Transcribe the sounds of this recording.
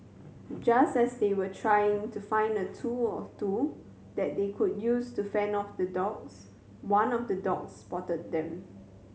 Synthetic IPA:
d͡ʒastɛsdewətʰɹajɪ̃ŋtʰufãɪ̃ndətʰuɔtu | d̥ɛt̚dekʰud̚justufɛ̃nɔfdədɔk̚s | wãnɔfdədɔk̚spɔtəd̚dɛ̃m

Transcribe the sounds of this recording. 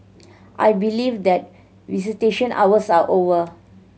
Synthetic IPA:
ʔa̰jbilivd̪ɛt̚ | visiteʃə̃nʔa̰wəsaʔovə

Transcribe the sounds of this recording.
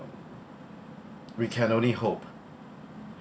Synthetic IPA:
wikʰɛ̃nõʊ̃nlihop

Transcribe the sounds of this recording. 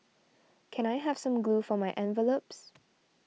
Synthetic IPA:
kʰɛ̃ñajɦɛv̥sãmɡlufɔmaɪʔɛ̃nvəlops

